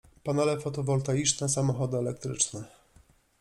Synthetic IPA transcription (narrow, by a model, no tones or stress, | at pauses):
panɛlɛfɔt̪ɔvɔlt̪ajit͡ʂnɛsamɔxɔd̪ɘɛlɛk̚t̪ɾɘ̰t͡ʂnɛ